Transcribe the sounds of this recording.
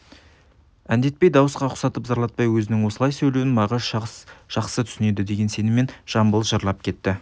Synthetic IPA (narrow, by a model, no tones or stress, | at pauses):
ænd̪e̞t̪̚pe̞jd̪ɑwəsqɑʊ̥sɑt̪əpzɑɾlˠɑt̪̚pɑjwɵzɪnɪŋwo̞səlˠɑjsɵlewɪnmɑʁəzʒ̥ɑqsət̪ʰʏ̥sɪne̞d̪ɪd̪e̞ɡʲe̞nse̞nɪme̞nʒ̥ɑmbəlˠʒəɾlˠɑp̚kʲʰe̞t̪ːɪ